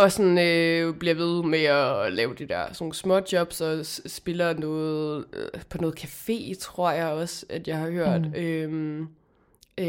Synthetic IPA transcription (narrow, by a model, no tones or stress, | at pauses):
ɒ̽sɒnøb̥liɐʋe̝ðˠmeɒlɛːʊd̥ed̥æɐ̰snosmɒ̽d̥jɒ̽b̥sɒ̽sb̥e̝lɐnɔːð̩ˠpʰɒ̽nɔ̽ːð̩ˠkʰæfe̝̰ːt͡sʰʁo̝ɐ̰jɑ̈ɪɒ̽sæd̥jɑ̈ɪhɑ̈høɐ̰d̥øm